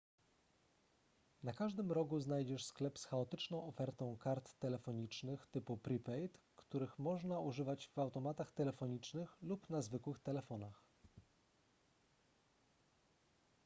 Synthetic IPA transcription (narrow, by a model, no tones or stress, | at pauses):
nakaʐd̪ɘmɾɔɡuznajd͡ʑɛʂsklɛpsxaɔt̪ɘt͡ʂnɔ̃w̃ɔfɛɾt̪ɔ̃w̃kaɾt̪ːɛlɛfɔɲit͡ʂnɘxt̪ɘpupɾʲipɛjt̪ | kt̪uɾɘxmɔʐnauʐɘvad͡ʑvawt̪ɔmat̪axt̪ɛlɛfɔɲit͡ʂnɘxlupnazvɘkwɘxt̪ɛlɛfɔnax